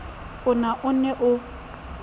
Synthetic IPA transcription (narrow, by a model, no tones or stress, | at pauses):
ʊnaʔʊnɛʔʊ